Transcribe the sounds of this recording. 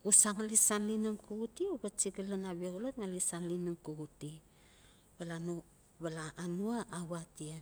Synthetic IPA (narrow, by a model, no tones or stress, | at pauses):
usaŋalisanlinumkuɡutiubat͡ʃiɡalanaβeɡolotŋalisanlinumkuɡuti | balanu | βalaːnuaːwatie